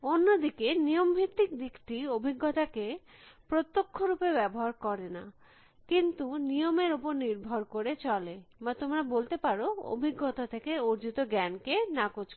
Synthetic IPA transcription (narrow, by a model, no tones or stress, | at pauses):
onːod̪ikenijombʱit̪ːik̚d̪ikʈiobʱiɡːot̪akepɾot̪ːokʰːoɾupebɛboɦaɾkɔɾena | kint̪unijomeɾupoɾniɾbʱoɾkoɾet͡ɕɔlebat̪omɾabolt̪epaɾoo̰bʱiɡːot̪at̪ʰekeoɾd͡ʑit̪oɡɛnkenakot͡ɕ